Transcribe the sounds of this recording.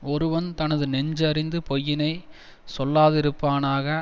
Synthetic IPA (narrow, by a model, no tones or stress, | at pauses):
ɔɾɯʋɐnt̪ɐnɐðɯnɛɲd͡ʒɐɾɪnd̪ɯpɔjːɪnɐɪ | sɔlːaːðɪɾɯpːaːnaːɣɐ